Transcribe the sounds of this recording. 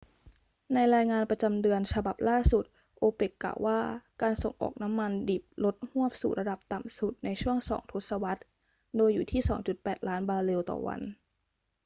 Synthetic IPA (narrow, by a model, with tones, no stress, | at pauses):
na˧jɾaː˧jŋaː˧npɾa˧t͡ɕa˧mdɯ˧ənt͡ɕʰa˧ba˨˩p̚laː˥˩su˨˩t̪̚ | ʔoː˧pe˨˩kːa̰ː˨˩wːʔaː˥˩kaː˧nso̰˨˩ŋʔɔ̰ː˨˩k̚na˦˥mːa˧ndiː˨˩p̚lo˦˥t̪̚hu˥˩əp̚sṵ˨˩t̪̚ɾa˧da˨˩p̚t̪a˨˩msu˨˩t̪̚na˧jt͡ɕʰu˥˩əŋsɔ̰ː˩˦ŋt̪ʰo˦˥t̪̚sa˧wa˦˥t̪̚ | doː˧jːuː˨˩t̪ʰiː˥˩sɔː˩˦ŋt͡ɕu˨˩t̪̚pɛː˨˩t̪̚laː˦˥nbaː˧le˧wt̪ɔ̰ː˨˩wa̰˧n